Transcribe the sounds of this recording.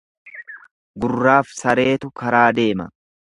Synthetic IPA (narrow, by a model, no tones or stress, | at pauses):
ɡʊrːaːfsɐɾe̞ːt̪ʊkɐɾaːd̪e̞ːmɐ